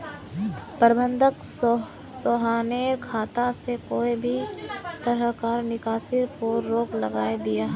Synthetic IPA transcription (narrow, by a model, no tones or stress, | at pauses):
pəɾbə̃nd̪ʱəks | soɦaːneːɾkʰaːt̪asekoːibʱit̪əɾəkaɾnɪkaːsɪɾpuːɾːoːklɐɡaːed̪ɪjaɦ